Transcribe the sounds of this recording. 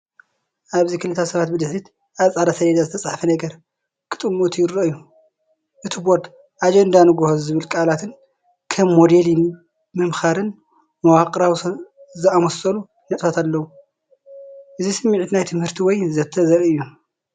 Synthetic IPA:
ʔaβzikʰɨlɨt̪ʰasɐβat̪bɨd̪ɨħɾit̪ | aβsʼʕad̪asɐɾed̪azɨt̪ʰɐt͡sʼaħfɐnɐɡɐɾ | kʰɨ̥t̪ʼɨmot̪ʰjɪɾɐʔɨjːu | ʔɨt̪ʰiboɾd̪ | ʔad͡ʒend̪anɨɡohozɨβɨlkʼalat̪ʰɨn | kʰɐmːod̪eli | mɨmxaɾɨn | mɐwakʼɾaw | zɨamosɐlu | nɐt̪ʼfat̪alːɐwu | ʔɨzisɨmːiʕit̪najt̪ʰɨmhɨɾt̪ʰiwɔjzɐt̪ʰːɐzɐɾɨjːu

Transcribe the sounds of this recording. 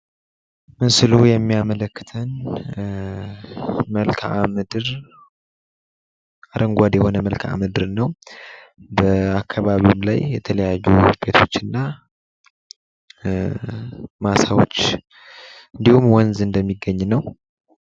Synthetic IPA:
mɨnsɨlujɛmːijamələkːɨ̥t̪ʰən | məlkʰamɨd̪ɾ | aɾəŋɡʷad̪jɛho̞nəməlkʰa̰mɨd̪ɨɾnəw | bəakʰːaβaβimlajjɛt̪ʰələjajːub̥e̞t̪ʰo̞t͡ʃːɨnːa | masawo̞̰t͡ʃː | ɨnd̪ihumwɔnzɨnd̪əmːiɡːəɲːnəw

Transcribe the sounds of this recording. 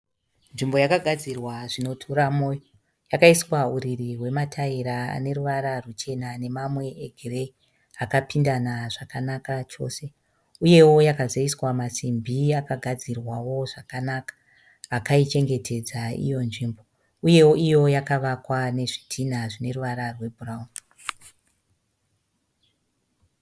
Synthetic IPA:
nʐimbo̞jakaɡʱad͡zirwaʐino̞tʰuɾamoːjo | jakaiswauɾiriwe̞matʰaiɾaa̰ne̞ɾuʋaɾarut͡ʃe̞nane̞mamwe̞eɡʱire̞ | akapindanaʐakanakat͡ʃo̞̰se̞ | uje̞wo̞jakazaiswamasimbʱiakaɡʱad͡zirwawo̞ʐakanakḁː | kait͡ʃe̞ŋɡe̞tʰe̞d͡zaḭjo̞nʐimbo̞ | uje̞woijo̞jakaʋakwane̞ʐitʰin̤aʐine̞ruʋaɾarwe̞bʱurauni

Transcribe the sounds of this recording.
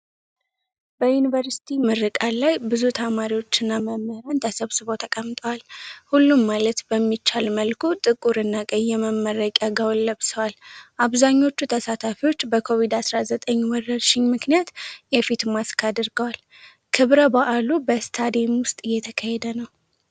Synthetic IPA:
bəjunivəɾsi̥t̪ʰimɨɾɨkʼalajbɨzut̪ʰamaɾiwo̞t͡ʃːɪnːaməmːəhɾant̪ʰəsəβsɨβo̞t̪ʰəkʼəmt̪ʼəwalhulːumːalət̪bəmːit͡ʃːalməlkʰut̪ʼɨkʼuɾɨnːakʼəɲːɛməmːəɾəkʼjaɡawlːəβsəwalʔaβzaɲːo̞t͡ʃːut̪ʰəsat̪ʰafiwo̞t͡ʃːbəkʰo̞βid̪asɾazət̪ʼəɲːwɔrəɾʃɪɲmɨknijat̪jɛfit̪maskʰad̪ɨɾɡəwal | kʰɨβɾəbaʔalubəst̪ʰad̪emwʊst̪ʼɨjːɛt̪ʰəkʰahɛd̪ənəw

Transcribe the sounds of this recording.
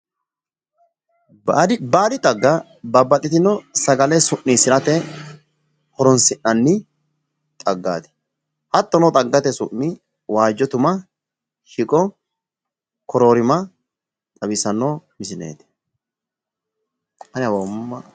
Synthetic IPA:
d̪baːd̪ɪt̪ʼɐɡːɐ | bɐbːɐt̪ʼːɪt̪ɪnɔsɐɡɐlɛsʊʔːisɪɾɐt̪ɛ | hɔɾɔnsɪnːɐnːɪ | t̪ʼɐɡːa̰ːt̪ɪ̥ | hɐt̪ːɔnɔt̪ʼɐɡːɐt̪ɛsʊ̰ʔːɪ | waːd͡ʒːɔt̪ʊmɐ | hɪkʼɔ | kʰɔɾoːɾɪmɐ | t̪ʼɐbɪsɐnːoːmɪsɪnḛːt̪ɪ̥ | ɐnɪɐbɐmːɐ

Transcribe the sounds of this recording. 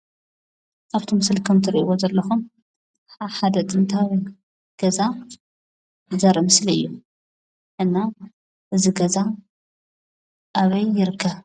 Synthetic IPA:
ʔaβt̪ʰimɨslkʰɨmt̪ʰɨɾiʔiwozɐlːɐxum | ħaħad̪ɐt̪ʼɨnt̪ʰawi | ɡ̥ɐza | zɐɾɐmɨsliɨjːu | ʔɨnːa | ʔɨziɡɐza | ʔaβɐjːɪɾɨkʰːɐβ

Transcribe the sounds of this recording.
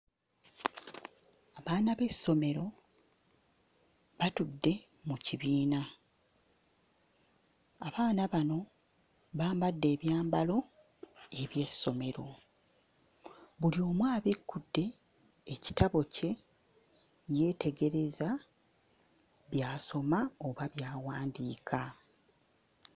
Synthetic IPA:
aβaːnaβe̞sːo̞me̞ɾo̞ | βatudːe̞ | muciβiːna | aβaːnaβano̞ | βaːmbadːe̞ːβjaːmbalo̞ | e̞βje̞sːo̞me̞ɾo̞ | βulio̞ːmwaːβikːudːe̞ː | ci̥taβo̞ce̞ | je̞ːte̞ɡe̞ɾe̞za | βjaːso̞maoβaβjaːwaːndiːkʰa

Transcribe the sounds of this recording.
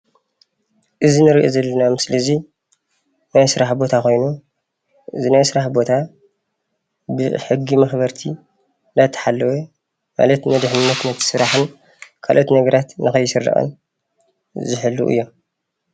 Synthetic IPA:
ʔɨzinɨɾiʔozɐlːɐnamɨslizi | najsɨɾaħbo̞t̪ʰaxo̞jnu | ʔɨzinajsɨɾaħbo̞t̪ʰa | bɨħɨɡːimɐxbɐɾt̪ʰi | nd̪at̪ʰːɨ̥ħalːɐwe | ma̰lɐt̪nɐd̪ɨħnɨnːɐt̪nɐt̪ʰːɨ̥sɨɾaħɨn | kʰalʔot̪nɐɡɐɾat̪nɨxɐjːɪsɨrːɐ̰ʔʼɐ̰n | zɨħɨlːṵʔɨ̰jːo̞m

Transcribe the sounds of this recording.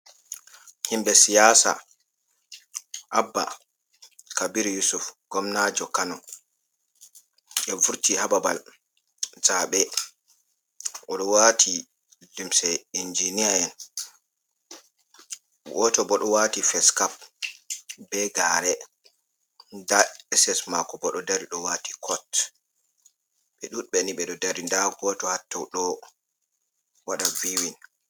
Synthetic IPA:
himbɛsijasa̰ | ʔabːa̰ | kabiɾjusufɡ̥ɔmnad͡ʒɔkanɔ | ɛvuɾtihababa̰l | zaːɓɛ | ʔɔɗɔwaːtʰi | dimsɛind͡ʒinijaɛn | ɡɔtɔbɔɗɔwatifɛskap̚ | bɛɡaɾɛ | ndaɛsɛsmakɔbɔɗɔdaɾiɗɔwati̥kʰɔt | ɓɛɗuɗɓɛniɓɛɗɔdaɾindaɡɔtɔhatːawɗɔ | waɗaviwin

